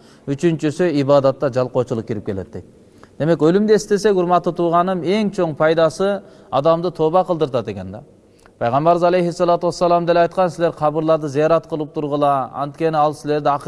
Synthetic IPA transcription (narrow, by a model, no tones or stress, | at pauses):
yt͡ʃynt͡ʃysyibɑːd̪ɑt̪ːɑd͡ʒɑlˠqot͡ʃʰulˠuq̚kʲʰiɾɪp̚kʰʲelḛt̪̚d̪ek̪̚ | d̪̥e̞mekʲølymd̪eest̪es̬ekʲuɾmɑt̪ːɯt̪ʰuʁɑnɯme̞ŋt͡ʃʰoŋpʰɑjd̪ɑsɨ | ɑd̪ɑmd̪ɯt̪ʰobɑqəlˠd̪ɨɾt̪ɑd̪ekʲend̪ɑ | pʰɑjʁɑmbɑɾɨzɑlˠejɦisːɑlˠɑt̪uwɑsːɑlˠɑmd̪elɑjt̪qʰɑnsɪleɾqʰɑbɯɾlˠɑɾd̪ɯzijɑɾɑt̪qʰəlˠɯp̚t̪ʰuɾʁəlˠɑɑ̰nt̪kʲe̞nɪɑlˠsɪle̞ɾd̪iɑq